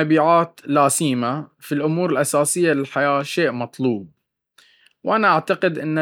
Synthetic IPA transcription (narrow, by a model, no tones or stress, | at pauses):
abiːʕaːt̪laːsiːmafilʔʊmuːɾɪlʔasaːsɪjːalɪlħajaːʃeːʔmɑt̪ˤluːb̚ | wʔanaʔaʕt̪aqɪd̪ʔɪnː